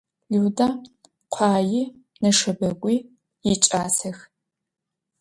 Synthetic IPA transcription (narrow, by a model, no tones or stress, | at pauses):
luwdaː | qʷʰaːjɪ | nɐʂɐbɐɡʷʼiː | jɪt͡ʃʼaːsɐx